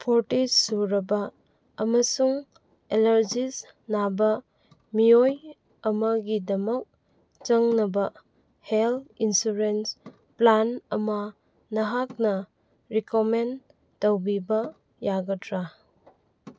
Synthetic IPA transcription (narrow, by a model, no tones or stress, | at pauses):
pʰoɾtisːuɾɐbɐː | mɐsuŋ | elɐɾd͡ʒis | nabɐ | mijoj | ɐmɐɡidɐmɐk̚ | t͡ʃɐŋnɐbɐ | helinsuɾens | planɐmɐ | nɐɦak̚nɐ | ɾikomen | towbibɐ | jaɡɐtɾa